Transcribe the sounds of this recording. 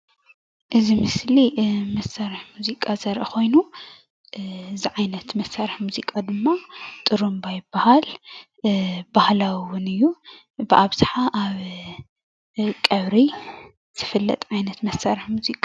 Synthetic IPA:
ʔɨzimɨslimɐsːaɾɨħmuzikʼazɐɾʔɐxʰo̞jnu | ɨziʕajnɐt̪mɐsːaɾɨħmuzikʼad̪ɨmːat̪ʼɨɾumbajɪbːahal | bahlawwʊnɨjːu | bɨʔaβz̥ɨħaʔaβ | kʼɐβɾi | z̥ɨfɨlːɐ̰t̪ʼʕajnɐt̪mɐsːaɾɨħmuzikʼa

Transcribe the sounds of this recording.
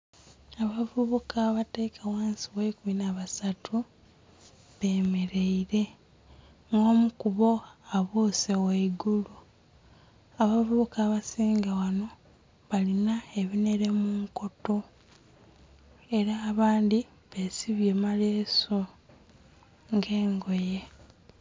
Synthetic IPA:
aβavuβukaːβate̞ːkʰawaːnsiwekuminaβasatʰu | βe̞ːme̞ɾe̞iɾe̞ | ŋɡo̞ːmukuβo̞aβuːseweiɡulu | aβavuːkaːβasiːŋɡawano̞ | βalinae̞βine̞ɾe̞muŋko̞to̞ | e̞ɾaːβaːndi | βesiβje̞maleːso | ŋɡeːŋɡo̞je

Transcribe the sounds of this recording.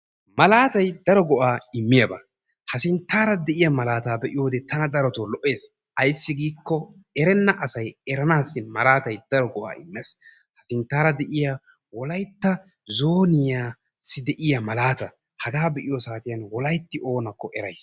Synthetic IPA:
mɐlaːt̪ɐjd̪ɐɾɔɡɔʔaːɪmːɪjɐbɐ | hɐsɪnt̪ːaːɾɐd̪ɛʔɪjɐmɐlaːt̪aːbɛʔɪjo̞ːd̪ɛt̪ɐnɐd̪ɐɾɔt̪oːlɔʔːe̞ːs | ɐjsːɪɡiːkːɔ | ɛɾɛnːɐʔɐsɐjɛɾɐnaːsːɪmɐlaːt̪ɐjd̪̥ɐɾɔɡɔʔa̰ːɪ̰mːeːs | hɐsɪnt̪ːaːɾɐd̪ɛʔɪja | wɔlɐjt̪ːɐ | zoːnɪjaː | sːɪd̪ɛʔɪjɐmɐlaːt̪ɐ | hɐɡaːbɛʔɪjosaːt̪ɪjɐnwɔlɐjt̪ːɪʔo̞ːnɐkːɔʔɛɾɐjs

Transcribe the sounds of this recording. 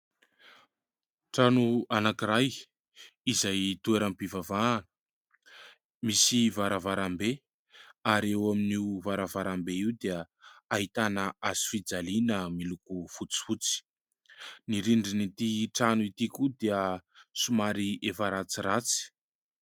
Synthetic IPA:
ʈ͡ʂanuanakiraj | izajt̪ueɾampivavan | misivaɾavaɾambe | aɾewaminivaɾavaɾambeiwd̪eə | aɦit̪anəazi̥fid͡zalinəmilukufut͡si̥fut͡si̥ | niɾiɳɖ͡ʐinit̪iʈ͡ʂanuit̪ikud̪eəsumaɾiefaɾat͡sirat͡si̥

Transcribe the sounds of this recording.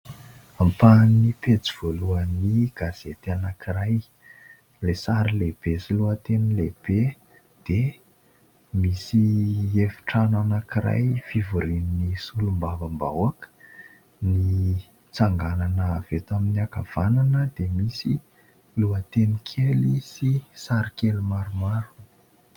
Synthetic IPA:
ampanipet͡siv̥oluəniɡ̥az̥et̪anakiɾaj | lesaɾileb̥esiluət̪enileb̥e | d̪̥e | misiefi̥ʈ͡ʂananakiɾa̰jfivuɾininisulumbavəmba̰wakə̥ | ni | t͡saŋɡananəːvet̪aminiaka̰v̥ananəd̪emisi | luat̪enikʰelisisaɾikelumaɾumaɾu̥

